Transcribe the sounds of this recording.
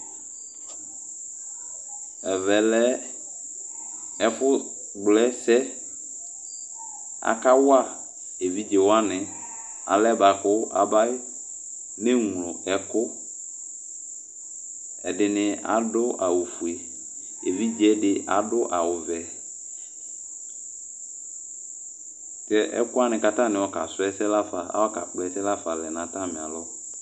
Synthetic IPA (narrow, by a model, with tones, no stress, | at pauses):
ɛ˨vɛ˨lɛ˦ | ɛ˦fʊ˦ | ɡ͡blɛ˦sɛ˦ | a̰˨ka˦wʊ˦a˦˨ | e˨vi˦d͡ʒɛ˨wa˦nɪ˨ | a̰˨lɛ˦ba˨kʊ˦a̰˨ba˦ɪ˦ | me˦ŋ˨lɔ˨ɛ˨kʊ˦ | ɛ̰˨dɪ˨nɪ˨a̰˨dʊ˦ʔa˨wʊ˨fu˨e˨ | e˨vi˦d͡ʒɛ˦dɪ˦ʔa˨dʊ˦ʔa˨wʊ˨vɛ˨ | kɛ˦ʔɛ̰˦kʊ˦a˦nɪ̃˨ka˨ta˦˨nɪ̃˨wɔ˨˦ka˨sʊ˦ɛ˦sɛ˦la˦fa˨a̰˦wa˦ka̰˨k͡pʊ˦ɛ˦sɛ˦la˦fa˨lɛ˨nã˨ta˦˨mɪ̃˨a̰˨lɔ˦